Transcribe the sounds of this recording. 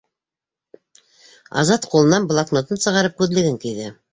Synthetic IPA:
ɑ̰zɑt̪qulˠɤ̆nɑnblˠaknot̪ɤnsɤ̆ʁɑɾɤp̚kʉðlɘ̆ɡɘŋkijðɘ

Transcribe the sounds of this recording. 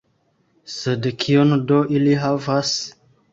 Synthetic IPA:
sedkʰiondoʔiliɦavas

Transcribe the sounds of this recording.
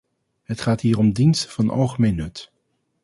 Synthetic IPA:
ɦətχaːtɦiːrɔmdinstəv̥ɑnɑ̰lˠχəmejnːɵt

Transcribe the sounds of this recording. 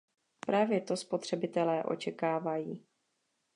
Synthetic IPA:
pɾaːvjɛt̪o̞spo̞t̪r̝̥ɛbɪt̪ɛlɛːʔo̞̰t͡ʃɛkaːvajiː

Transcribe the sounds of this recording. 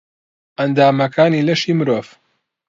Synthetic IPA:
ʔɐnd̪aːmɐkʰaːniːlɐʃiːmɨɾoːv

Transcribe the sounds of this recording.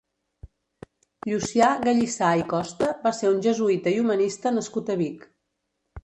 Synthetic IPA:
ʎusiaɣəʎisaikɔst̪əβaseɾunʲʒəzuit̪əiumənist̪ənəskut̪əβik

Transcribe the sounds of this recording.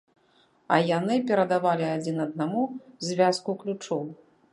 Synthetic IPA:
ɐjanɨpʲɛɾɐd̪avalʲiad͡zʲinɐd̪̚namuzʲvʲaskuklʲut͡ʂɔw

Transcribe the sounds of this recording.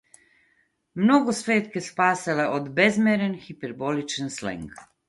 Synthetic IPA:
mnoɡosʋeːt̪kespaːsɛleʔod̪bezmeɾenxipɛɾbolit͡ʃnslɛ̰ŋk

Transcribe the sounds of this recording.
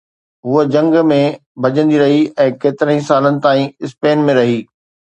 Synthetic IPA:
ɦʊəd͡ʑɐ̃ŋɡmẽbʱɐd͡ʑə̃nd̪iɾɐɦiɛ̃ːkeːt̪ɪɾə̃ɦĩsaːlənɪ̆t̪aːĩɪspeːnmẽɾɐɦiː

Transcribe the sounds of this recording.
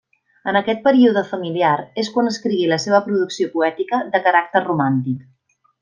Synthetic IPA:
ənəkɛt̪̚pəɾiuðəfəmiliaɾeskwanəskɾiɣiləseβ̞əpɾuðuksiopuɛt̪ikəðəkəɾak̚t̪ərrumant̪ik

